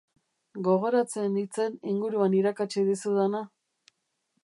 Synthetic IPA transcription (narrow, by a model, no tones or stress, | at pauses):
ɡo̞ɣ̞o̞ɾat͡se̞nit͡se̞niŋɡuɾuaniɾakat͡ʃiðisuðana